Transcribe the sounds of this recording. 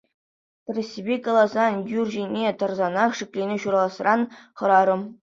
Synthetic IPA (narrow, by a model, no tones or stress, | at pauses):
t̪rʲesʲibʲekɑlˠɑzɑnjurʲʑinʲet̪ɤ̆rzɑnɑχʂɘ̆kʲlʲenʲeɕuɾɑlˠɑsrɑnχɤ̆ɾɑɾɤ̆m